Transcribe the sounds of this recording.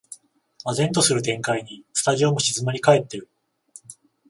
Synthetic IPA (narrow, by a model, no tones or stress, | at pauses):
mazẽ̞nt̪o̞sɨɾɯ̟t̪ẽ̞ŋkaiɲ̟isɨ̥t̪aʑio̞mo̞ɕizɨmaɾʲikae̞t̪ːe̞ɾɯ̟